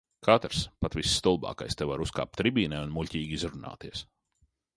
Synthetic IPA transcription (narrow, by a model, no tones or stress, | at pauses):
kʰat̪ɾspat̪visːt̪ulˠbɑ̰ːka̰jst̪evaɾuska̰ːp̚t̪ɾibiːnɛːunmulʲcʲiːɡʲizɾuna̰ːt̪iɛs